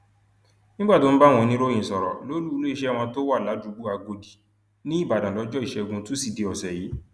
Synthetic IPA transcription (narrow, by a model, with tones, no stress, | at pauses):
nĩ˦ɡ͡ba˦˨to˨˦n̩˦ba˦˨w̃ɔ̃˧nĩ˦ɾo˦j̃ĩ˨sɔ˨ɾɔ̰˨lo˨˦lu˦lo˦i˦˨ʃɛ˦˨w̃ɔ̃˧to˦wa˦˨la˨˦du˨˧˦ɡ͡bu˦a˧ɡo˧di˨ | nĩ˦i˦˨ba˨dã˨lɔ˨˦d͡ʒɔ˦i˦˨ʃɛ˧ɡũ˧tu˦si˦˨de˨ɔ˨sɛ˨ji˨˦